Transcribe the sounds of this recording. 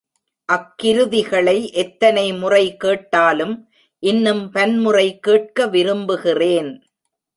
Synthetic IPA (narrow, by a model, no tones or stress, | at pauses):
ʔɐkːɪɾɯðɪɣɐɭɐɪʔɛt̪ːɐnɐɪmʊrɐɪkeːʈːaːlɯm | ʔɪnːɯmpɐnmʊrɐɪkeːʈ̚kɐʋɪɾɯmbɯɣɪreːn